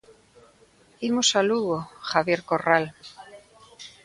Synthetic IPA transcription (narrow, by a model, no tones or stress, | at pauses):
imosaluɣoxaβjeɾkoral